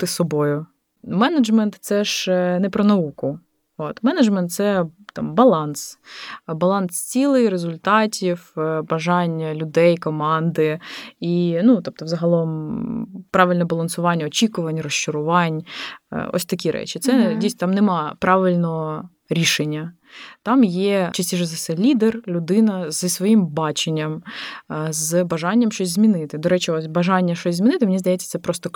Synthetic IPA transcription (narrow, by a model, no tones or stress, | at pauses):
t̪ɪsɔbojʊ | mɛnɐd͡ʒmɛnt̪sɛʒnɛpɾɔnɐukʊ | ot̪mɛnɐd͡ʒmɛnt̪̚sɛt̪ɑ̰mbɐlˠɑnsbɐlˠɑnst͡sʲilˠɪjɾezʊlʲt̪ɑtʲiwbɐʒɑnʲɐlʲʊd̪ɛjkɔmɑnd̪ɪinut̪ɔp̚t̪ɔvzɐɦɐlˠɔm | pɾɑʋʲɪlʲnɛbɐlˠɐnsʊʋɑnʲːɐɔt͡ʃʲikʊʋɐnʲrɔʃt͡ʃʊɾʊʋɑn̰ʲ | ɔ̰sʲt̪ɐkʲiɾʔɛ̰t͡ʃɪt̪sɛdʲijsʲt̪amnɛmɑpɾɑʋɪlʲnɔɦɔ | ɾʲiʃenʲːɐ | t̪ɑmjɛt͡ʃɐsʲtʲiʃɛzɐsɛlʲid̪erlʲʊd̪ɪnɐzisʋɔjimbɑt͡ʃenʲːɐm | zbɐʒɑnʲːɐmʃt͡ʃɔsʲzʲmʲinɪt̪ɪd̪ɔɾɛt͡ʃɪɔsʲbɐʒɑnʲːɐʃt͡ʃɔsʲzʲmʲinɪt̪ɪmenʲizd̪ɐjɛtt͡sʲːɐt̪sɛpɾɔst̪ɔ